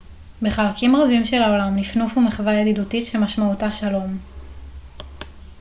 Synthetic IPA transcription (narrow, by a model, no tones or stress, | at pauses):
beχalkimʁavimʃe̞lao̞lamnifnufumeχvajelidutitʃemaʃmautaʃalo̞m